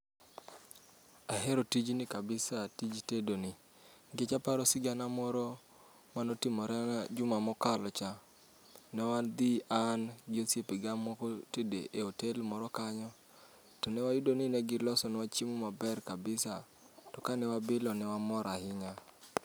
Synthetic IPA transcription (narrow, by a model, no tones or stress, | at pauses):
aɦɛɾotid͡ʒnɪkabɪsatid͡ʒtedonɪ | ɡet͡ʃapaɾɔsɪɡanamɔɾɔ | manotɪmɔɾɛnad͡ʒʊmamɔkalɔt͡ʃa | nɛwand̪ianɡɪosjepeɡamːɔkɔtedḛʔeotelmɔɾɔkaɲɔ | tɔnɛwajʊdonɪnɛɡɪlɔsɔnwat͡ʃimomabɛrkabɪsa | tɔkanɛwabɪlɔnɛwamɔɾahɪɲa